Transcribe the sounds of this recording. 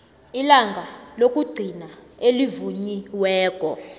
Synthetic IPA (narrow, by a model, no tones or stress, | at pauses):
ilaŋɡʱalok̬ʼuɡ͡ǀʱinaelivuɲiwɛːk̬ʼɔ